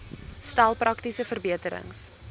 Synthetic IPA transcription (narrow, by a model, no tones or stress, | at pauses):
stælˠprɐktisəfərbiətəɾə̰ŋs